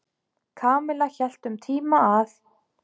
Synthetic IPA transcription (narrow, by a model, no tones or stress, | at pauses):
kʰaːmɪlaçɛl̥t̪ʏmt̪ʰiːmaaθ